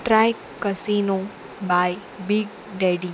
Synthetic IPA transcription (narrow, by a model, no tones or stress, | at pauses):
ʈɾaːjkːəsiːnõ | baːj | biɡ̚ | ɖeːɖi